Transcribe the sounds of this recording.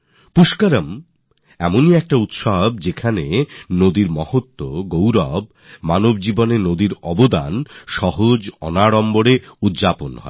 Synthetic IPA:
puʃkaɾam | ɛmoniɛk̚ʈaut̪ʃab̚d͡ʑekʰanenod̪iɾmɔhot̪ːoɡowɾɔb | manob̚d͡ʑibonenod̪iɾɔbod̪a̰nʃɔɦod͡ʑɔ̰naɽɔmboɽeud̪d͡ʑaponɦɔ̰e

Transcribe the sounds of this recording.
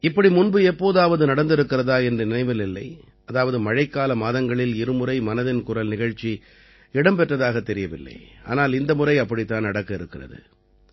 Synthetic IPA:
ɪpːɐɽimʊnbɯɛpːoːðaːʋɐðɯnɐɽɐnd̪ɪɾɯkːɪrɐðaːɛndrɯnɪnɐɪʋɐlɪlːɐ̰ɪ | ɐðaːʋɐðɯmɐɻɐɪkːaːlɐmaːðɐŋɡɐɭɪlɪɾɯmʊrɐɪmɐnɐðɪnkʊrɐlnɪɣɐɻt͡ʃːi | ɪɽɐmpɛʈrɐðaːɣɐt̪ːɛɾɪjɐʋɪ̰lːɐ̰ɪa̰ːnaːlɪnd̪ɐmʊrɐɪɐpːɐɽit̪ːaːnɐɽɐkːɐɪɾɯkːɪrɐ̰ðɯ̰

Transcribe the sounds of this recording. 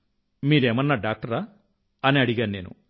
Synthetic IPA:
miːɾeːmɐnːaːɖaːk̚ʈɐɾaː | ɐniɐɽiɡaːnne̞ːnṵ

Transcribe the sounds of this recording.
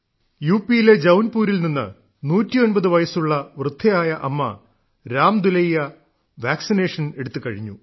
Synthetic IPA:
juːpijile̞d͡ʑɐwnpuːɾilninːɨ̰ | nuːtːijo̞nbɐðɨʋɐjɐsuɭːɐʋrɨd̪ʱːɐjaːjɐʔɐmːɐ̰ | ɾaːmd̪ulɐjjɐ | ʋaːksine̞ːʂɐne̞ɽut̪ːɨkɐɻiɲːṵ

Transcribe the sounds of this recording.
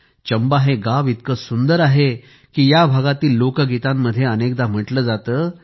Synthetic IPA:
t͡ɕəmbaɦeɡaʋit̪̚kəsund̪əɾaɦe | kiːjabʱaɡat̪iːlːokəɡit̪amːəd̪ʱjeənekd̪am̤əʈləːd͡zat̪əː

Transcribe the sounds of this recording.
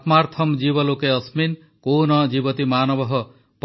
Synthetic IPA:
t̪maɾt̪ʰɔmd͡ʒibɔlokeɔsmin | konɔd͡ʒibɔt̪imaːnɔbɔɦɔ | p

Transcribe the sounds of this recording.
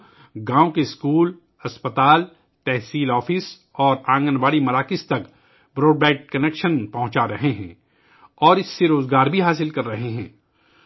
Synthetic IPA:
ɡãːõkeskuːl | ɐspət̪aːl | t̪ɛɦsiːlɔːfɪs | ɔːɾãːŋɡənʋaːɽimɐɾaːkɪst̪ɐk | bɾoːɖbɛːʈ̚kɐneːkʃənpɐɦʊ̃t͡ʃaɾɐɦeɦɛ̃ː | ɔːɾɪsːeɾoːzɡaːɾbʱiɦaːs̬ɪlkɐɾːɐɦeɦɛ̃ː

